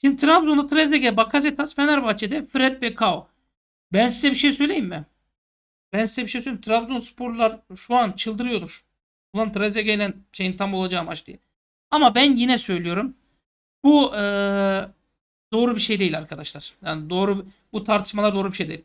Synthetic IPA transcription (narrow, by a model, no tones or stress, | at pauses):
ʃind̪it̪ʰɾabzond̪at̪ʰɾɛzeɡɛbakʰazɛt̪ʰasfenæɾbat͡ʃʰɛd̪ɛfɾɛt̪̚bɛkʰao | bænsizɛbiʃejsø̞jlʲe̞jimːɪ | bænsizɛbiʃejsøjlejimt̪ʰɾabzonsɯ̥pʰoɾlˠaɾʃuant͡ʃʰɯlˠd̪ɯɾɯjo̞luɾ̥ | bulˠant̪ʰɾɛzʲeɡelʲænʃejint̪ʰamo̞lˠad͡ʒaːmat͡ʃd̪ijɛ | amabænjinɛsø̞jlʲijo̞ɾum | buɯː | d̪o̞ːɾubiʃe̞jd̪e̞jilʲaɾkʰad̪aʃlˠaɾ̥jaːnid̪o̞ːɾu | but̪ʰaɾt̪ʰɯ̥ʃmalˠaɾd̪oːɾubiʃejd̪eilʲ